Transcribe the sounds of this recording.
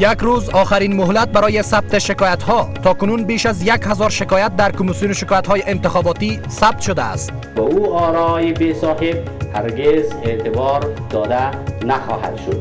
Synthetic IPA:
jakɾuzɒːxaɾiːnmʊɦlat̪̚baɾɔːjesab̚t̪eʃɪkɒːjat̪hɔt̪ʰɒkʊnunbeːʃazjakhazɒɾʃɪkɒjat̪̚d̪aɾkʊmisijunoʃɪkɔjat̪hɔːjeʔɪnt̪ɪxɒːbɒt̪i | sab̚t̪ʃod̪a̰ːst̪ | bɔuɔːɾɔjebesɔːɦeb̚ | haɾɡezet̪ɪbɔɾd̪ɒːd̪anaxɔ̰ha̰d̪ʃod̪

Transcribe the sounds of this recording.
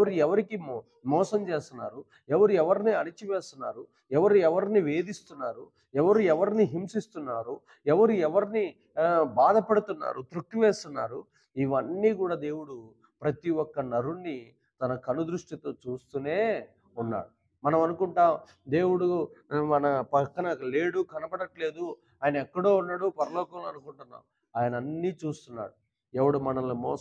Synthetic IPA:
ɛʋɐɾuɛʋɐɾiki | mɔːsɐmt͡ʃe̞ːst̪unːaːɾu | ɛʋɐɾuɛʋɐɾniɐnit͡ʃiʋeːst̪unːa̰ːɾu | ɛʋɐɾuɛʋɐɾniʋe̞ːd̪ist̪unːaːɾu | ɛʋɐɾuɛʋɐɾniɦimsist̪unːaːɾu | ɛʋɐɾuɛʋɐɾini | baːd̪ɐpɐɽut̪unːa̰ːɾut̪ɾuk̚t̪ːiʋeːst̪unːa̰ːɾu | iʋɐnːiːkuːɽaːd̪e̞ːwuɽu | pɾɐt̪iwɔkːɐnɐɾunːi | t̪ɐnɐkɐnud̪ɾuʂʈit̪oːt͡ʃuːst̪une̞ː | unːa̰ːɽu | mɐnɐmɐnukuɳʈaː | d̪e̞ːwuɽumɐnɐpɐkːɐnɐle̞ːɽukɐnɐbɐɽɐʈle̞ːd̪u | aːjɐnɐɛkːɐɽoːunːɐɽupɐɾɐlɔːkɐmluɐnukuɳʈunːa̰ːm | aːjɐnɐɐnːiːt͡ʃuːst̪unːa̰ːɾu | ɛʋɐɽumɐnɐlomɔː

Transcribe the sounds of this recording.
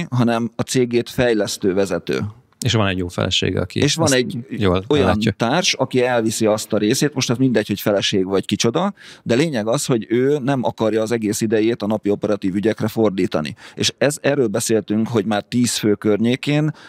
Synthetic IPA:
ɦɒnɛmɒt̪seːɡeːt̪fɛjlɛst̪øːvɛzɛt̪ø̰ː | eʃʋɒnɛɟjoːfɛ̰lɛ̰ʃḛːɡɒ̰kḭeːʃʋɒnɛɟjoːlojɒnt̪aːrʃɒkiɛlvisiɒst̪ɒɾeːseːt̪mo̞ʃt̪ɛzmind̪ɛcho̞cfɛlɛʃeːɡʋɒckit͡ʃo̞d̪ɒd̪ɛleːɲɛɡɒsho̞ɟøːnɛmɒkɒrjɒːzɛɡeːsid̪ɛjeːt̪ɒnɒpio̞pɛɾɒt̪iːvyɟɛkrɛfo̞rd̪iːt̪ɒ̰nḭḛːʃɛzɛrːøːlbɛseːlt̪yŋkɦo̞ɟmaːrt̪iːsføːkørɲeːkeːn

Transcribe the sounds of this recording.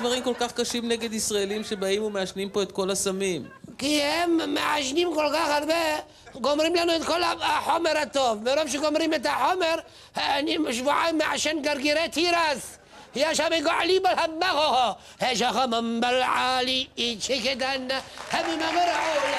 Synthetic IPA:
vaʁimko̞lkaχkaʃimneɡed̪isʁaelimʃebaimumeaʃnimpoet̪̚ko̞lhasamimkihemːḛʕaʃnimkolkaχaɾbe | ɡomɾimlanuet̪ko̞laaħomeɾhat̪ovːeɾovʃ̬eɡomɾimet̪aħomeɾ | heanimaʃ̬vuʕamːeʕaʃenɡaɾɡiɾet̪hiɾaz | hiaʃameɡoʕlibalhamːaɣoho | heʃaxamambalʕaliit͡ʃeket̪anːahememameɾaʕo

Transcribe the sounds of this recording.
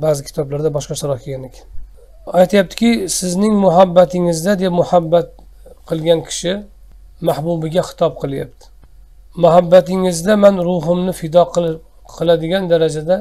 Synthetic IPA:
baːzɪkʲʰɪ̥t̪ʰɒblaɾd̪abɒʃqɑʃaɾɒhkʰʲɪɡʲane̞kʲʰḁn | ajt̪ʰɪjap̚t̪ʰɪ̥kʲɪsɪznɪŋmʊɦabːat̪ʰɪŋɪzd̪ad̪epmʊhabːat̪̚ | qʰɨlˠɡʲankʲʰɪ̥ʃɪ | mahbubɪɡʲaχɨ̥t̪ʰɒp̚qʰɨlˠja̰pt̪ʰɪ̥ | mʊɦabːat̪ɪŋɪzd̪amanɾʊɦʊmnɪfɪd̪ɒq | qʰɨlˠad̪ɪɡʲand̪aɾad͡ʒad̪a

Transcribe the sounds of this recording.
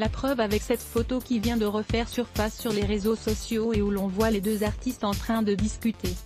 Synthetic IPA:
lapχœvavɛksɛt̪fot̪okʲivjɛ̃d̪əʁəfɛʁsyʁfasːyʁleʁezosɔsjoeulɔ̃vwaled̪øzaʁt̪ist̪ɑ̃t̪χɛ̃d̪əd̪iskʲyt̪e

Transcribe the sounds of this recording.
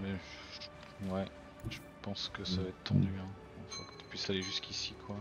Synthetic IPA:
mɛ | wɛ | ʒ̥əpɑ̃skəsavaɛt̪t̪ɑ̃d̪yɛ̃ | ɑ̃fo̰kə̥t̪y̥pɥisaleʒyskʲʰisikʰwa

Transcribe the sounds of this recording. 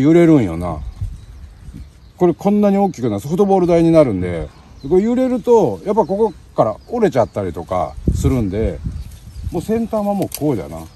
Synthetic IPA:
jɯɾe̞ɾɯ̟̃ɰ̃jo̰na̰ | ko̞ɾe̞kʰõ̞nːaɲ̟io̞ːkʲikɯ̟nasofɯ̟t̪o̞bo̞ːɾɯ̟d̪aiɲ̟inaɾɯ̟̃nd̪e̞̰ | d̪eko̞ɾejɯ̟ɾe̞ɾɯ̟t̪o̞japːaiko̞ko̞ | kaɾaoɾe̞t͡ɕat̪ːaɾʲit̪o̞ka̰sɨɾɯ̟̃nd̪e̞ | moːsẽ̞nt̪ãːβamo̞ːkoːid̪a̰na̰

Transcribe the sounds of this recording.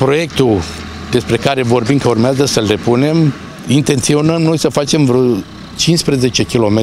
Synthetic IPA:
pɾo̞je̞kt̪u | d̪e̞spɾe̞kaɾe̞vo̞rbimkəurmeazəsəlre̞pune̞m | int̪e̞nt̪sio̞nəmno̞jsəfat͡ʃe̞mvɾo | t͡ʃinspɾeze̞t͡ʃe̞kʲilo̞me

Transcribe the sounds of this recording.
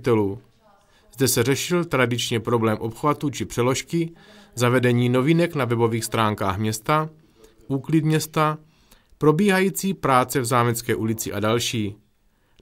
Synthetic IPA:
t̪ɛluː | zdɛsɛrɛʃɪlt̪ɾadɪt͡ʃɲɛpɾo̞blɛːmʔo̞pxvat̪ut͡ʃɪpr̥ɛlo̞ʃkɪzavɛdɛɲiːno̞vinɛknavɛbo̞viːxst̪ɾaːŋkaːxmɲɛst̪a | ʔuːklɪd̪mɲɛst̪a | pɾo̞biːɦajiːt͡siːpɾaːt͡sɛvzaːmɛt͡skɛːʔulɪt͡sɪʔadalʃiː

